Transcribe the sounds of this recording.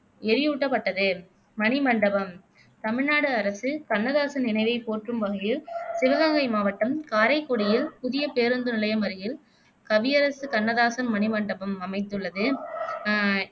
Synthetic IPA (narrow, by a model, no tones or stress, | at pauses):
ɛɾɪjuːʈːɐpːɐʈːɐðɯ | mɐnɪmɐɳɖɐbɐm | t̪ɐmɪɻnaːɽɯɐɾɐsɯkɐnːɐðaːsɐnɪnɐɪʋɐɪpoːrʈrɯmʋɐɣɐjɪlsɪʋɐlaːŋɡɐɪmaːʋɐʈːɐmkaːɾɐɪkːoɽɪjɪlpʊðɪjɐpeːɾɯnd̪ɯnɪlɐjɐmɐɾɪjɪl | kɐʋɪjɐɾɐsɯkɐnːɐðaːsɐnmɐnɪmɐɳɖɐbɐmɐmɐɪt̪ːɯɭːɐðɯ